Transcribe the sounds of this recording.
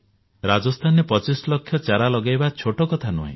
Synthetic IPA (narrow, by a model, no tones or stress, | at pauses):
ɾad͡ʒɔst̪ʰanepɔt͡ʃislɔkʰːjɔt͡ʃaɾalɔɡajbat͡ʃʰoʈɔkɔt̪ʰanuɦḛ̃